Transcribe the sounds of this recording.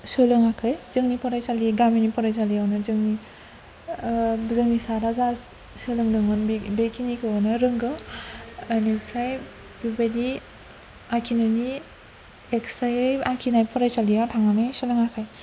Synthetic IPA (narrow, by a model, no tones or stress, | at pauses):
sɯlɯŋakʰɯjz̥ɯŋnipɔɾajsaliɡamenipɔɾajsaliawnɯzɯŋni | zɯŋnisaɾaza | sɯlɯŋdɯŋɯnbekʰinikʰɯwɔnɯɾɯŋɡɯ | anikʰɾaj | bibadi | akʰinɯni | eksajɯjakʰinajpʰɔɾajsalijatʰaŋanajsɯlɯŋakʰaj